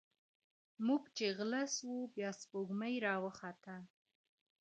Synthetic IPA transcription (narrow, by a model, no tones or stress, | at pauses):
muɡt͡ʃeɣləswubjɑspoɡməjɾɑwəxɑt̪a